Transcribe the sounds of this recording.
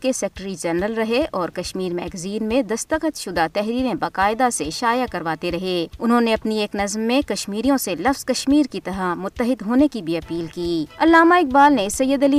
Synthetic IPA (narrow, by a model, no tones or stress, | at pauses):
kesɛːkʈəɾid͡ʒɛnɾəlɾɐɦeʔɔːɾkɐʃmiːɾmɛːɡziːnmẽd̪ɐst̪əqət̪ʃʊd̪at̪ɛɦɾiːɾẽbaːqaːɪd̪aseʃaːjakɐɾʋaːt̪eɾɐɦeːʊnɦõneɐpnieːknɐzmːẽkɐʃmiːɾijõselɐfz̥kɐʃmiːɾkit̪ɐɾamʊt̪ːəɦɪd̪ɦoːnekibʱiɐpiːlkiːɐlːaːmaɪk̚baːlnesɐjːəd̪ɐliː